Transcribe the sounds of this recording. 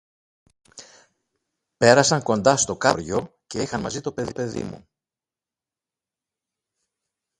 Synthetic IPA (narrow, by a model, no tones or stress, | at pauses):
pe̞ɾɐsɐŋko̞nd̪ɐst̪o̞kɐɾʝo̞ce̞ixɐnmɐ̰zit̪o̞peðipe̞ðḭmṵ